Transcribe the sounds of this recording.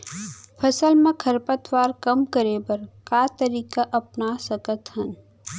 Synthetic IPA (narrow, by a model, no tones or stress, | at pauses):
pʰɐsəlmẽkʰɐɾpət̪ʋaːɾkɐmkəɾebɐɾkaːt̪əɾiːkaʔɐpnasɐkət̪ɦɐn